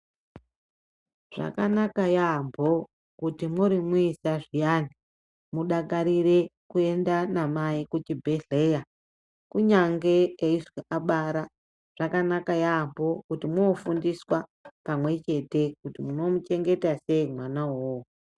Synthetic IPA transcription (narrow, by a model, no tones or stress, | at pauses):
ʐ̥a̰kanakajaːmbʱo̞ | kutimuɾimuisaʐijani | muɗakaɾire̞kue̞ndanamaikut͡ʃibʱeɮe̞ja | kuɲaŋɡe̞eiʐwiʔaɓaːɾa | ʐ̥akanakajaːmbo̞kutimofundiswapamwe̞t͡ʃe̞te̞kutimuno̞mut͡ʃe̞ŋɡe̞tase̞imwanawoo